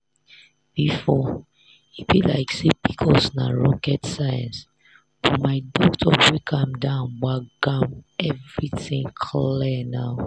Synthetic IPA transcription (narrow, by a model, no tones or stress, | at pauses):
b̥ifɔ | ibilaɪksipʰi̥kʰɔsna̰ɹɔkɛtsajãns | bɔmaɪdɔktʰɔbwikʰãmdãʊ̃nɡ͡baɡãmɛvɹiθĩŋkʰllinaʊ